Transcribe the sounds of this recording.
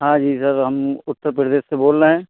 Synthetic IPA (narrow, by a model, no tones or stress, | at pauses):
ɦãːd͡ʒiːsəɾɦɐmʊt̪ːəɾpɾəd̪eːsseboːlɾeɦɛ̃ː